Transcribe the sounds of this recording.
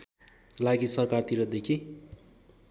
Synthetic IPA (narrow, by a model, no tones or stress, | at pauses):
laɡisʌrkart̪iɾʌd̪ekʰi